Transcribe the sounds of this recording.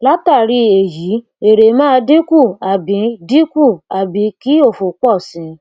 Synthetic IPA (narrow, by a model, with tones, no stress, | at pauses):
la˦ta˦˨ɾi˧e˨ji˨˦ | e˨ɾe˨˦mãː˦˧dĩ˦ku˦˨a˨bĩ˨˦dĩ˦ku˦˨a˨bĩ˧˦ki˦o˦˨fu˨k͡pɔ˦˨sĩ˨˧˦